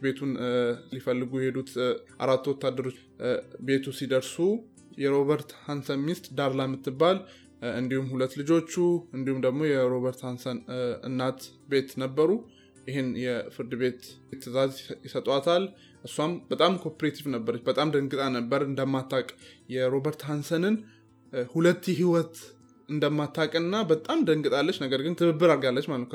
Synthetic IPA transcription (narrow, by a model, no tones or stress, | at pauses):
be̞t̪ʰunlifəlːɨɡujɛhed̪ut̪ʔa̰ɾat̪ːwɔt̪ːad̪ːəɾo̞t͡ʃː | be̞t̪ʰusid̪əɾsu | jɛɾo̞βəɾt̪hansəmist̪ʼd̪aɾlajmːɨt̪ːɨbːal | ɨnd̪ihumːhulət̪ːlɨd͡ʒo̞t͡ʃːuɨnd̪ihumd̪əɡmo̞jɛɾo̞βəɾt̪hansənɨ̰nːat̪ | be̞t̪nəbːəɾu | jɪɦenjɛfɨɾd̪ɨbe̞t̪t̪ʰːɨzazjɪsət̪ʼwat̪ʰal | ʔɨsːuambət̪ʼamkʰo̞pɾet̪ʰivnəbːəɾət͡ʃːbət̪ʼamd̪əŋɡɨt̪ʼanəbːəɾɨnd̪əmːat̪ʰːakʼjɛɾo̞bəɾt̪hansənɨn | hulət̪ːjɛɦiwɔt̪ | ɨnd̪əmːat̪ʰːakʼɨnːabət̪ʼamd̪əŋɡʼɨt̪ʼalːət͡ʃːnəɡəɾɡɨnt̪ʰɨβɨbːɨɾaɾɡalːət͡ʃːmalət̪k